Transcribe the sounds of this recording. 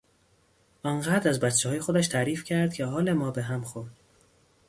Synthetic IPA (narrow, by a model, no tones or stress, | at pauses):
ʔɒŋɢæd̪ɾæzbæt̪t͡ʃʰːehɒːjexod̪æʃt̪ʰæɾiːfcʰæɾd̪̥̚cʰehɒːle̞mɒːbeɦæmxond̪̥